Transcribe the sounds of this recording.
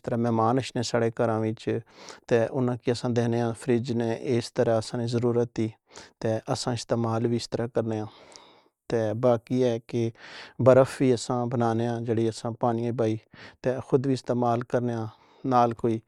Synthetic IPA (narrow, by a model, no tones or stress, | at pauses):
t̪əɾãːmɛːmaːnəʃnẽːsaːɽeːkəɾãːʋɪt͡ʃt̪eːʔʊnãːkɪəsãːd̪eːneːãːpʰɾɪd͡ʒneːʔɪst̪əɾaːəsãːnĩːzəɾuːɾət̪ːiː | t̪eːʔəsãːɪst̪eːmaːlʋiːst̪əɾãːkəɾneːãː | t̪eːbaːkiːɛːkɪbəɾəfʰʋiːəsãːbənaːneːãːd͡ʒeːɽiːəsãːpaːñijãːibaːiːt̪eːxʊd̪ʋiːɪst̪eːmaːlkəɾneːãː | naːlkoːiː